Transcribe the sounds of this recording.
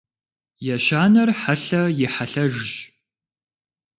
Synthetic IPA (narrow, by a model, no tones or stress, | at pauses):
jɛʃaːnɐrħaɬɐjɪħaɬɐʒʒ